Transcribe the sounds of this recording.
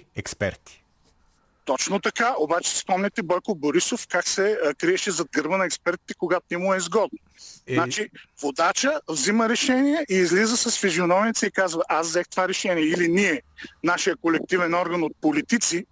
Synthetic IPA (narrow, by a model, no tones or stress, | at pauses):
ɛkspɛ̰ɾt̪i̥ | t̪ɔt͡ʃnot̪ɐkaʔobat͡ʃɛ̥si̥spɔmnʲɛt̪ɛbɔjkoboɾisofkaksɛkɾiɛʃɛzɐd̪̚ɡəɾvənɐɛkspɛɾt̪i̥t̪ɛ̥koɡat̪ʊnɛmuɛizɡɔd̪no | nat͡ʃivod̪at͡ʃəvziməɾɛʃɛnijɛʔiːzlizəsɐsfizionɔmit̪siikazvɐʔazzɛxt̪ovaɾɛʃɛniɛiliniɛnaʃijəkolɛk̚t̪ivɛnɔɾɡənot̪̚polit̪it̪si